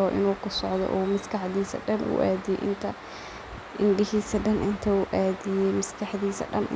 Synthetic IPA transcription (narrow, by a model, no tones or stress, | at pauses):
ɔːʔɪ̰nuːkʰʊsɔʕd̪ɔ̰ʔuːmɐskʰɑħðiːsɐ̰ɖɐnʔʊ̰ʔaːðɪjɛ̰jʔɪnt̪ʰɐ | ʔɪɳɖɪɦiːsɐɖɐnʔɪnt̪ʰɐuʔaːðɪjɛjmɐskʰɐħðiːsɐ̰ɖɐ̰nʔɪ